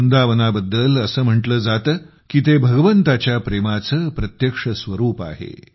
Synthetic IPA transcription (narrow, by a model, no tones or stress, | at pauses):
und̪aʋənabəd̪ːələsəːm̤əʈləːd͡zat̪ | kiːt̪ebʱəɡəʋənt̪at͡ɕjapɾemat͡səːpɾət̪jəkʂəsʋəɾuːpa̰ɦḛ